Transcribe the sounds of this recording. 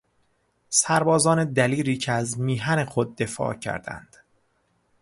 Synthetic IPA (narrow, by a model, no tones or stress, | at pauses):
sæɾbɒːzɒːned̪æliːɾiːcʰeæzmiːɦænexo̞d̪ːe̞fɒ̰ːcʰæ̰ɾd̪æ̰nd̪̥